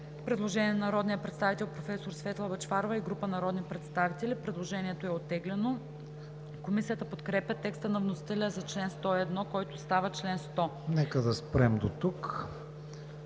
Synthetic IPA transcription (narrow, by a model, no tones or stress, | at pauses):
pɾɛd̪lˠoʒɛniɛnnɐɾɔd̪nijəpɾɛt̪st̪avit̪ɛlˠpɾofɛsoɾsfɛt̪lˠɐbɐt͡ʃfaɾovɐiɡɾupənɐɾɔd̪nipɾɛt̪st̪avit̪ɛlʲipɾɛd̪lˠoʒɛniɛt̪oɛot̪ːɛɡlɛno | komisijət̪əpot̪kɾɛpʲət̪ːɛkst̪ənɐvnosi̥t̪ɛlʲəzɐt͡ʃlɛnst̪ɔiɛd̪nɔkɔjt̪ost̪avət͡ʃlɛnst̪ɔnɛkəd̪ɐspɾɛmd̪ot̪uk